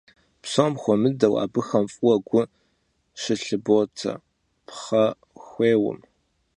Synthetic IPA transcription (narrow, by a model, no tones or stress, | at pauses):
psomxʷɔmɨdɐwa̰ːbɨxɐmfʼwɔɡʷʊ | ʃɪɬɨbotʰɐ̰ | pχɐ | xʷeːwʊ̰m